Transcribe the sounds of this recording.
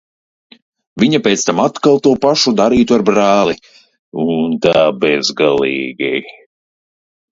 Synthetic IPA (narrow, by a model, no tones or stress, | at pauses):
viɲapʲet̪st̪amat̪kalˠt̪uɔpaʃud̪aɾiːt̪uaɾbɾaːlˠi | unt̪aːbɛzɡalˠiːɡi